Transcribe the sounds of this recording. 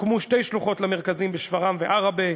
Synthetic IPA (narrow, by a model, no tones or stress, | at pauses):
kmuʃte̞jʃluχo̞tlameʁkazimbeʃvaʁamveʔaʁabe